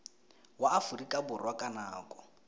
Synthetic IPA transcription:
waːfurikʼabʊrwakʼanaːkʼɔ

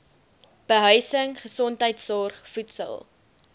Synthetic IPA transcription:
b̥əɦœɥsəŋχəsɔntəjtsɔrχfutsə̰lˠ

